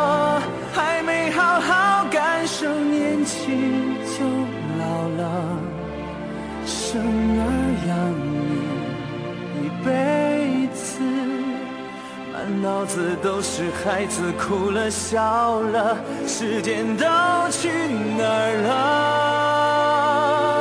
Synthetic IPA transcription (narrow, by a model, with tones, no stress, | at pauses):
xa˧˥ɪme˧˥ɪxɑ˧ʊxɑ˧˥ʊka˧nʂə˧˥ŋnjɛ˧nt͡ɕʰi˧t͡ɕjo˧˥ʊ | lɑ˨˧˩ʊlə˧ | ʂə˧˥ŋə˧˥jɑ˧˩ŋi˧˩ | i˨˩pe˧˥ɪt͡sʰɹ̩˧ | a̰˧˥nɑ˧˥ʊd͡zɹ̩˨t̪o˧˥ʊʂɻ̩˧˩xa˧˥ɪd͡zɹ̩˨˩kʰu˧˩lə˧ɕjɑ˨˧ʊlə˧ | ʂɻ̩˧˥t͡ɕjɛ˧˥nt̪o˥ʊt͡ɕʰy˥˧˩nə˧˥lə˧